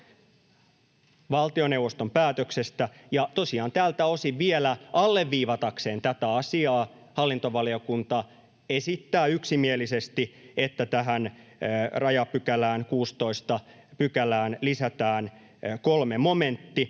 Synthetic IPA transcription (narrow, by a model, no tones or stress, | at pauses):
ʋɑlt̪ione̞uwʋːost̪ompæːt̪øksest̪æjɑt̪o̞siɑːnt̪æːlt̪æo̞siʋʋielæɑlːeʋːiːʋɑt̪ɑkseːnt̪æt̪æɑsiɑː | hɑlːint̪oʋɑlio̞kunt̪ɑ | esit̪ːæːyksimielisest̪iet̪ːæt̪æɦæn | rɑjɑpykælæːnkuːst̪o̞ist̪ɑ | pykælæːnlisæt̪æːn | kolmemoment̪ːi